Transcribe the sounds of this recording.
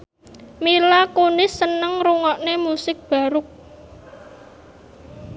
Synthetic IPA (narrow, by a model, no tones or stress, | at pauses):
milakunɪsːənəŋɾuŋɔʔnemusɪk̚b̥a̤ɾʊk̚